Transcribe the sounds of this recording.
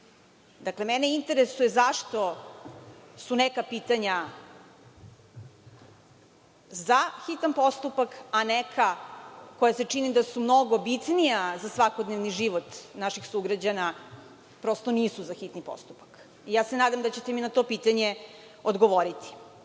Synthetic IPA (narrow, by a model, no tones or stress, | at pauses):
d̪aklemɛneint̪e̞ɾesujezaʃt̪o̞ | sunekapiːt̪aɲa | zaxit̪anpo̞st̪upakanekʰako̞jaset͡ʂinid̪asumnoɡo̞bit̪nijazasʋakod̪neʋniʒiʋot̪naʃixsuɡɾad͡ʑana | pɾo̞st̪o̞niːsuzaxit̪nipo̞̰st̪upḁk | ijaːsenaːd̪amd̪at͡ɕet̪eminat̪o̞piːt̪aɲe | od̪ɡoʋoɾit̪ʰi̥